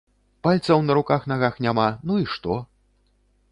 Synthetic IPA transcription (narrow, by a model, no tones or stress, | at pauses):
palʲt̪sɐwnɐɾukaxn̪aɣaxnʲamanuiʂt̪ɔ